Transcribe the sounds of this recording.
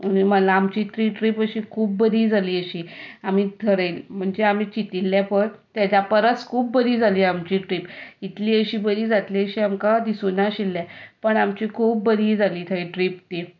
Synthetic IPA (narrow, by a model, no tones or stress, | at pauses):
ənim̤ənlaːmt͡ɕiːt̪ɾiːʈɾiːpəɕiːkʰuːp̚ːəɾiːd͡zʱaliːəɕiːam̤iːd̪ʰʱəɾəlm̤əɳd͡zeam̤iːt͡ɕit̪ilːãpəɾt̪jad͡ʑapəɾət͡skʰuːpbəɾiːd͡zʱaliːamt͡ɕiːʈɾiːpit̪liəɕiːbəɾiːd͡zat̪liəɕiːamkad̪isunaɕilːɛ̃pəɳamt͡ɕiːkʰuːp̚ːəɾiːd͡zʱaliːt̪ʰəiʈɾip̚t̪e